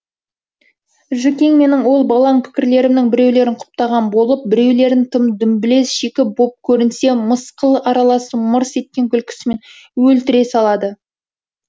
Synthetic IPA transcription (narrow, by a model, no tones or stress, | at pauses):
ʒʏkʲe̞ŋme̞nɪŋwo̞lˠbɑlˠɑŋpʰɪ̥kʲɪɾle̞ɾɪmnɪŋbɪɾe̞wle̞ɾɪɴqʰʊ̥p̚t̪ɑʁɑnbo̞lˠəp̚bɪɾe̞wle̞ɾɪnt̪ʰəmd̪ʏmbɪle̞sʒekʲɪbop̚kʲʰɵɾɪnse̞məsqəlˠəʔɑɾɑlˠɑsəməɾse̞t̪̚kʲe̞ŋkʲʰʏlkʲʰɪ̥sɪmen | wɵlt̪ɪɾe̞sɑlˠɑd̪ə